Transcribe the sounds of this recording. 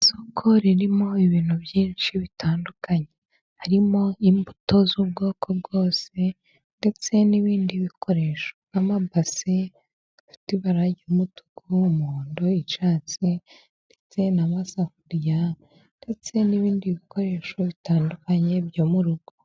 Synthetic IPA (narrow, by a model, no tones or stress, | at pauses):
isokʰoɾiɾimo̞iβiːn̥uβjiːnʃiβitʰaːndukaɲe | haɾimo̞imbuto̞zub̚ɡo̞ːkʰo̞b̚ɡo̞ːse̞ | nde̞t͡se̞niβiːndiβikʰo̞ɾe̞ːʃonamabase | afi̥tiβaɾaɟuumutuɡumuːndo̞it͡ʃaːt͡si | nde̞t͡se̞namasakuɾja | nde̞t͡se̞niβiːndiβikʰo̞ɾe̞ʃo̞βitaːndukaɲe̞bjoːmuɾuɡ̥o